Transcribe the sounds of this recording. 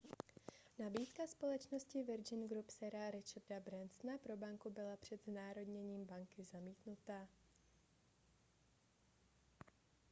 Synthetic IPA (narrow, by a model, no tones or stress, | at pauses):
nabiːt̪kaspo̞lɛt͡ʃno̞scɪvɪɾd͡ʒɪnɡɾupsɛɾaɾɛt͡ʃardabɾɛnsnapɾo̞baŋkubɪlapr̝̥ɛd̪znaːɾo̞dɲɛɲiːmbaŋkɪzamiːt̪nut̪aː